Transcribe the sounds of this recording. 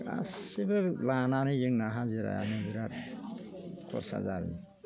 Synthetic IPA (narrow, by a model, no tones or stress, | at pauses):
a̰sibɯlanaɾɯzɯŋnaɦaziɾa̰ja̰nɯbiɾat̚ | kʰɔsa̰zaɾi